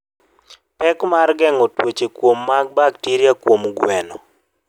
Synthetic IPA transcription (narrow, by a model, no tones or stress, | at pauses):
pɛkmarɡɛŋɔtwet͡ʃekwomːaɡ̚baktiɾjakwomɡwɛnɔ